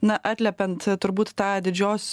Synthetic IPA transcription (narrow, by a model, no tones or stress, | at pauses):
næʔæt̪lʲæpænt̪t̪ʊɾbuːt̪t̪aʕad̪ɪd͡ʒoːs